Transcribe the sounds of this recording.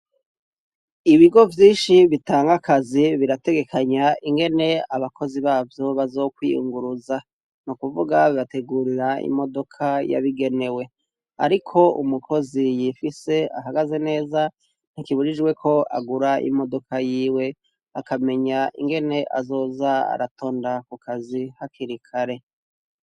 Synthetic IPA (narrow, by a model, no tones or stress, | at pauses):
iβiɡo̞vjiːnʃiβitaːŋɡakaziβiɾate̞ɡe̞kʰaɲaʔiŋɡe̞ne̞aβakʰo̞ziβaːvjo̞βazo̞kwḭjṵŋɡuɾuza | nukuvuɡaβiβate̞ɡuɾiɾaḭmo̞do̞kʰaja̰βiɡe̞ne̞we̞ | a̰ɾikʰo̞umukʰo̞zijifise̞a̰ɦaɡaze̞ne̞ːza | n̥ikiβuɾid͡ʒwe̞kʰo̞a̰ɡuɾaʔḭmo̞do̞kʰajiːwe̞ | akame̞ɲaʔḭŋɡe̞ne̞ʔa̰zo̞ːzaa̰ɾato̞ːndakukʰazihakiɾikʰaɾe̞